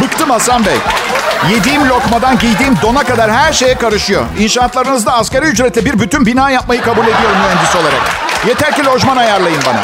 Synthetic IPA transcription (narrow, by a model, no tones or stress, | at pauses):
bɯkt̪ʰɯmasambɛ̰jje̞d̪iːimlʲo̞kmad̪anɟijd̪iːmd̪o̞nakad̪aɾhæɾʃe̞jɛkʰaɾɯʃɯjo̞̰inʃaːt̪lˠaɾɯnɯzd̪aːsceɾiyd͡ʒɾet̪ʰɛbiɾbyt̪ʰynbinaːjap̚majɯkʰabuːlʲe̞d̪ijo̞ɾumːyɦɛnd̪isio̞lˠaɾa̰kje̞t̪ʰæɾcilʲo̞ʒmanajaɾlˠajɯnba̰na̰